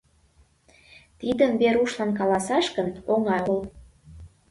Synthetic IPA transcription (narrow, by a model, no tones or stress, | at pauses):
t̪id̪ənbeɾuʃlɑnk̬ɑlɑsɑʃkənoŋɑjol